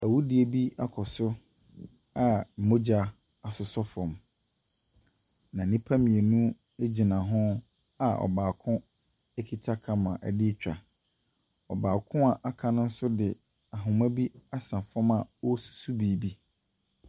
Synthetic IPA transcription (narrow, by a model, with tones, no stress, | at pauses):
æ˨wu˦dɪ˨e˨bi˦a˦kʰɔ˨sʊ˦ | a˨m̩˨mo˦d͡ʑa˦ | a˨sʊ˨sɔ˦fɔ̃˨m | nã˨nĩ˦pʰa˦mĩ˨e˨nũ˦ | e˦d͡ʑi˨nã˨ɦʊ̃˦ | a˨ɔ̰˨baː˨kʰʊ̃˦ | e˦kʰi˨tʰa˦kʰa˨mã˨ʔæ˨di˦t͡ɕᶣa̰˨ | ɔ̰˨baː˨kʰʊ̃˦a˨ʔa˨kʰa˨nʊ̃˦n̩˦sʊ˦dɪ˨ | a˨ɦʊ̃˨mæ̃˦bi˦a˦sã˨fɔ̃˦ma˨ɔ˦su̥˨su˦bi˨bi˦